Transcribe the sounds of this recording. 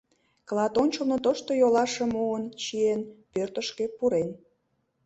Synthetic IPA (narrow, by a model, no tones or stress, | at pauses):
klɑt̪onʲt͡ɕəlnot̪oʃt̪ojolɑʃə̆muənt͡ɕienpørt̪əʃkepuɾen